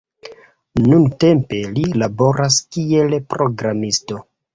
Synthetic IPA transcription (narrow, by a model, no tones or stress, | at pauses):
nunte̞mpe̞lilabo̞ɾʔaskie̞lpɾo̞ɡɾamisto̞